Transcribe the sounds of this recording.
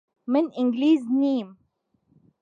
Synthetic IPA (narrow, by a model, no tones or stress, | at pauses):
mɪnʔɪ̃ŋɡliːzniːm